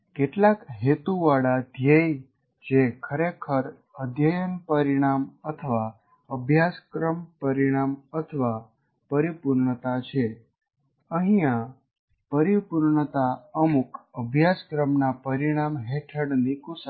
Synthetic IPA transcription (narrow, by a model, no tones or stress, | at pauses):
keʈlakɦet̪uʋaɽad̪ʱjej | d͡ʒekʰəɾekʰəɾ | əd̪ʱjəjənpəɾiɽ̃amət̪ʰəʋa | əbʱjaskɾəmpəɾiɽ̃amət̪ʰəʋa | pəɾipuɾɳət̪at͡ʃʰe | ə̃ɦĩã | pəɾipuɾɳət̪aəmukəbʱjaskɾəmnapəɾiɽ̃amɦeʈʰəɽnikus